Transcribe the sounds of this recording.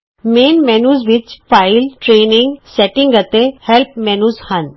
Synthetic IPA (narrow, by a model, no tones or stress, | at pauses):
mẽːnmɛːnuːzʋɪt͡ʃfaːɪlʈɾeːnɪ̃ŋɡseʈɪ̃ŋɡət̪ehɛlp̚mɛːnuːzhɐn